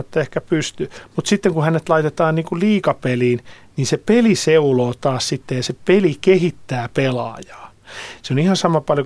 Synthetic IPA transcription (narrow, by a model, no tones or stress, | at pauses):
et̪ːæehkæpyst̪ymut̪sit̪ːeŋkuhænet̪lɑit̪et̪ɑːnniːŋkulliːkɑpeliːn | niːnsepeliseuloːt̪ɑːssit̪ːejɑsepelikehit̪ːæːpelɑ̰ːjɑ̥ː | seonihɑnsɑmɑpɑljo